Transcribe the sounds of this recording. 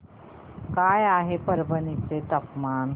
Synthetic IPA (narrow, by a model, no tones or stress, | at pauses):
kaːjaːɦepɐɾbəniset̪ɐqmaːn